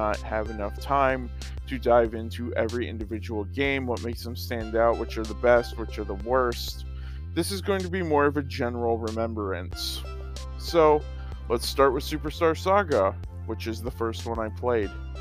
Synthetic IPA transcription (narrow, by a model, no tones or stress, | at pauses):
ət̚hɨvɨnʌftʰãɪ̃m | tʰɨdaɪvɪ̃ntʰʉʔɛvɹiʔɪ̰̃ndɨvɪd͡ʒəwl̩ˠɡẽɪ̃mwʌt̚meɪksðə̃m̩stæ̃ndaʊt̚wət͡ʃə˞ðəbɛst̚wɨt͡ʃə˞ðəwɜ˞st | ðɪsɨzɡoʊɪ̃ŋtʰɨbimɔɹʌvɨd͡ʒɛnə˞l̩ˠɹɨmɛ̃mbə˞ɨ̃nsː | oʊ | lətstɑɹʔ̚wɨð̥sʉpə˞stɑɹsɑɡə | wət͡ʃɨzðəfɜ˞st̚wʌ̃naɪpʰl̥eɪd̥